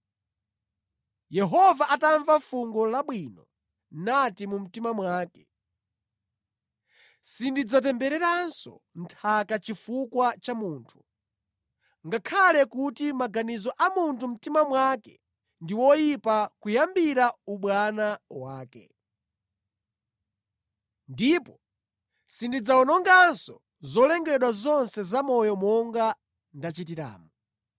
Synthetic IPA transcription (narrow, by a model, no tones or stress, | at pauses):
jɛɦɔvaʔataɱvafuŋɡɔlaɓwinɔ | natimum̩timamwaːkɛ̥ | sindid͡zat̬ɛmbɛɾɛɾansɔ̰ntʰakat͡ʃifukwat͡ʃamuːntʰu̥ | ŋɡakʰalɛkutimaɡanizɔʔamuntʰum̩timamwakɛ̰ | ndiwɔjipakujambiɾauɓwanawaːkɛ̰ | ndipɔ | sindid͡zaɔnɔŋɡansɔ | zɔlɛŋɡɛɗwazɔnsɛzamɔjɔmɔŋɡa | ndat͡ʃitiɾa̰ːmu